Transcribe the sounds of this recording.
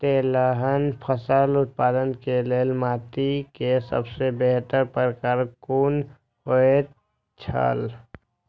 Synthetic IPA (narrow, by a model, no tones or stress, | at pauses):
t̪eːlaɦənpʰəsaːlʊt̪̚paːd̪ənkeleːlmaːt̪ikesə̰bsebeɦt̪əɾpəɾkaːɾkuːn | hoe | t͡ʃʰa̰ːl